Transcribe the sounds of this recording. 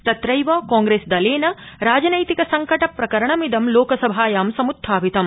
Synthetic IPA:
t̪ɐt̪ɾɐjʋɐːkaːŋɡɾeːsd̪ɐleːnɐɾaːd͡ʒɐnɐjt̪ikɐsɐŋkɐʈɐpɾɐkɐɾɐɳɐmid̪ɐmloːkɐsɐbʱaːjaːmsɐmud̪ʱːaːʋit̪ɐm

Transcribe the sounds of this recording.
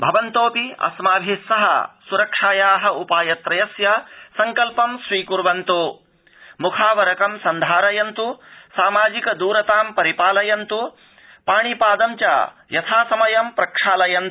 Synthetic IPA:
bʱɐʋɐnt̪oːpiɐ̰smaːbʱisɐɦɐ̰suɾɐkʂaːjaːɦɐ̆upaːjɐt̪ɾɐjɐsjɐsɐŋkɐlpɐmsʋiːkuɾʋɐnt̪u | mukʰaːʋɐɾɐkɐmsɐnd̪ʱaːɾɐjɐnt̪usaːmaːd͡ʒikɐd̪uːɾɐt̪aːmpɐɾipaːlɐjɐnt̪u | paːɳ̃ipaːd̪ɐmt͡ʃa̰ː | jɐt̪ʰaːsɐmɐjɐmpɾɐkʂaːlɐjɐnt̪

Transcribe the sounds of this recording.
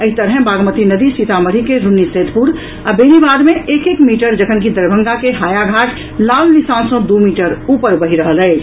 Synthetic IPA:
əɦit̪əɾɦɛ̃baɡmət̪inəd̪isit̪ʰaməɾ̤ikeɾunːised̪ʱpuɾ | abenibad̪meʔekekmiʈəɾd͡ʒəkʰənkid̪əɾbʱəŋɡakeɦajaɡʱaʈ | lalnisãnsə̃d̪umiʈəɾupəɾbəɦiɾəɦəlɛɪ

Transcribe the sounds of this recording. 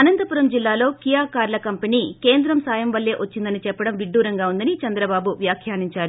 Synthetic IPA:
ɐnɐnt̪ɐpuɾɐmd͡ʒilːaːlo̞ːkijaːkaːɾlɐkɐmpɐniːkeːnd̪ɾɐmsaːjɐmʋɐlːeːʔʋʔɐt͡ʃːind̪ɐnit͡ʃɛpːɐɽɐmʋiɖːuːɾɐŋɡaːund̪ɐnit͡ʃɐnd̪ɾɐbaːbuʋjaːkʰjaːniɲt͡ʃaːɾu

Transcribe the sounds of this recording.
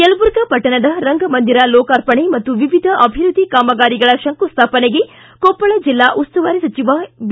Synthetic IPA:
kelɐbuɾɡɐpɐʈɐɳɐd̪ɐɾɐŋɡɐmɐnd̪iɾɐlɔːkaːɾpɐɳemɐt̪ːuʋiʋid̪ʱɐʔɐbʱiɾud̪ʱːikaːmɐɡaːɾiɡɐɭɐʃɐŋkust̪ʰaːpɐneɡe | koːpːɐɭɐd͡ʒilːaːʔust̪ɐʋaːɾesɐt͡ʃiʋab

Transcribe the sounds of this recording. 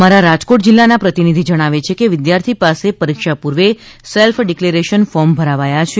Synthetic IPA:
maɾaɾad͡ʒkoʈd͡ʒɪlːanapɾət̪inid̪ʱid͡ʒəɽ̃aʋet͡ʃʰekeʋɪd̪jaɾt̪ʰipasepəɾikʃapuɾʋe | selfɖikleɾeʃənfɔɾmbʱəɾaʋajat͡ʃʰe

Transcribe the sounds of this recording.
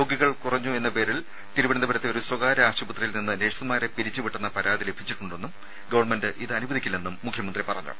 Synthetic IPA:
o̞ːɡiɣɐɭkurɐɲːue̞nːɐpe̞ːɾil | t̪iɾubɐɳɐnd̪ɐbɐɾɐt̪ːe̞o̞ɾuswɐɣaːɾɐaːɕɐbɐt̪rɐjilninːɨneːʂsɐmaːɾepiɾit͡ɕːɨʋiʈːunːɐpɐɾaːd̪ile̞bʱit͡ɕːiʈːuɳɖenːum | ɡɐʋɐrɳme̞ndɨʔiðɨɐnubɐðikʲːilne̞nːumːukʰjɐmɐnd̪ripɐrɐ̰ɲːṵ

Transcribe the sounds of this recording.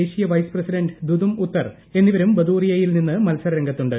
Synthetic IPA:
eːɕijɐʋɐjsprɐsiɖɐɳɖd̪ud̪umut̪ːɐr | e̞nːiʋɐɾumbɐd̪uːrijɐjilninːɨmɐlsɐrɾɐŋɡɐt̪ːuɳɖɨ

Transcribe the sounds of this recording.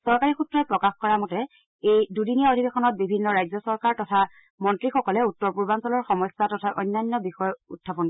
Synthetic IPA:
sɔɹkaɹixutɹɔɛpɹɔkaxkɔɹamɔtɛ | ejdudinijaodʱibexɔnɔt̚bibʱinːɔɹajzɔsɔɹkaɹtɔtʰa | mɔntɹixɔkɔlɛutːɔɹpuɹbansɔlɔɹxɔmɔsatɔtʰaʔɔjnːajnːɔbixɔjutʰːapɔn

